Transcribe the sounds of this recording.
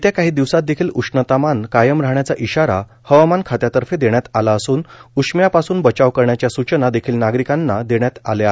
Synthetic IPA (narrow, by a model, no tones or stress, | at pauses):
t̪jakaɦiːd̪iʋsat̪̚d̪ekʰiːlukʂnət̪amankajəmɾaɦɳjat͡saʔiɕaɾa | həʋmankʰat̪jat̪əɾfed̪eɳjat̪alaəsuːnukʂmjapasuːnbət͡ɕaʋkəɾɳjat͡ɕjasut͡ɕənad̪ekʰiːlnaɡɾikanːad̪eɳ̃jat̪a̰lja